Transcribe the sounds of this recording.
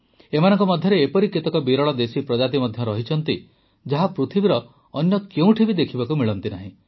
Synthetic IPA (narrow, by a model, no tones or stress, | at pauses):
emanɔŋkɔmɔd̪ʱjɔɾeːpɔɾiket̪ɔkɔbiɾɔɭɔd̪esipɾɔd͡ʒat̪̬imɔd̪ʱjɔɾɔɦit͡ʃʰɔnt̪i | d͡ʒaɦapɾut̪ʰibiɾɔː | njɔkeũʈʰibid̪ekʰibakumiɭɔnt̪inaɦĩ